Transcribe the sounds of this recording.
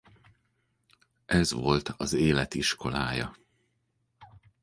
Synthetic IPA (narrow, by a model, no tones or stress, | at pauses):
ʔɛzʋo̞lt̪ʰɒzeːlɛt̪iʃko̞laːjɒ̰